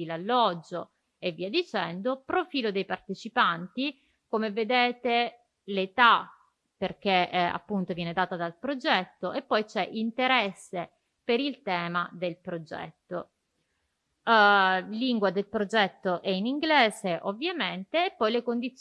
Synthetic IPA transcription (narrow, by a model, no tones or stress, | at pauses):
ilalːɔd͡ʒːo | evːiːad̪it͡ʃɛnd̪opɾofiːlod̪ejpart̪et͡ʃipant̪i | komeved̪eːt̪e | let̪a | perk̟ea̰pːunt̪ovjɛːned̪aːt̪ad̪alpɾod͡ʒɛt̪ːoʔepːɔjt͡ʃɛʔint̪eɾɛsːe | peɾilt̪ɛːmad̪elpɾod͡ʒɛ̰t̪ːo | liŋɡwad̪elpɾod͡ʒɛt̪ːoʔɛiniŋɡleːzeʔovːjament̪eːpːɔjlekond̪it̪s